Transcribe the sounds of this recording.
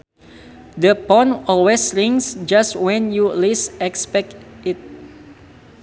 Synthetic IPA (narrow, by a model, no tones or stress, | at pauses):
dəpɔ̃nɔlwesɹĩŋsd͡ʒastwɛ̃njulisɛkspɛk̚tit̪̚